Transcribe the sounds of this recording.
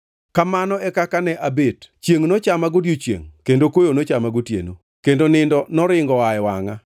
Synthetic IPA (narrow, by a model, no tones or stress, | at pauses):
kamanɔɛkakanɛʔabett͡ʃjeŋnot͡ʃamaɡodjot͡ʃjḛŋkendokojonot͡ʃamaɡotjḛno̰ | kendonɪndɔnɔɾɪŋɡɔajwa̰ŋa